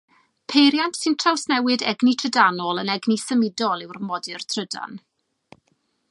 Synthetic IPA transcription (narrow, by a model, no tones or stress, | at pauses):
pʰejɾjantsɨntʰrawsnɛwɨdɛɡnitʰrədanɔlˠənɛɡnisəmɪdɔlˠɪwrmɔdɨrtʰrəda̰n